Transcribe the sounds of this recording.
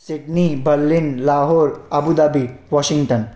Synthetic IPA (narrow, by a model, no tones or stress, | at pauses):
siʈnibəlːinlaɦoɾəbud̪abiʋɔɕiŋɡʈən